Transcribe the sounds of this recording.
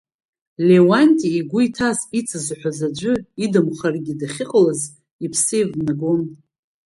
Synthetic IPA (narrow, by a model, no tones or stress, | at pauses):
lewantʼiːɡʷʊitʰasit͡sʰʼɨzħʷᶣazad͡ʒʷʊidɨmχarɡʲidaχʲɪqʼlaz | ipʰsɨjvnaɡom